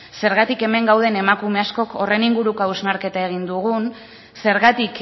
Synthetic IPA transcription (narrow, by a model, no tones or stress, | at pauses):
se̞ɾɣat̪ike̞me̞ŋɡawð̞e̞ne̞makume̞asko̞ko̞re̞niŋɡuɾukauzmaɾke̞t̪ae̞ɣ̞ind̪uɣ̞un | se̞ɾɣat̪ik